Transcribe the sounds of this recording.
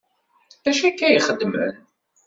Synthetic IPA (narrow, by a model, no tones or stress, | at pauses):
æʃækːæjəχəd̪ːmə̰n